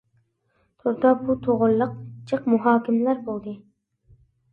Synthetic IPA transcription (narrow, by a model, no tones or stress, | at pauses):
t̪ʰoɾt̪ɑbut̪ʰoʁʊlˠːəq̚t͡ʃʰəqmuɦɑːkʲimlæɾbolˠd̪ɨ